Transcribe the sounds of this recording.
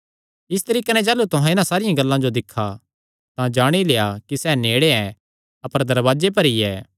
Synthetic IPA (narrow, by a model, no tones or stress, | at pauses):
ɪs̬t̪ɐɾiːkanɛ̃d͡ʒaːlut̪ʊɦãɪnãsaːɾɪjãɡɐlːãd͡ʒod̪ɪkʰːa | t̪ãd͡ʒaːɽ̃ilejakisɛneːɽeɛ̃ | ɐpəɾd̪ɐɾʋaːd͡ʒep̬ɐɾiɛː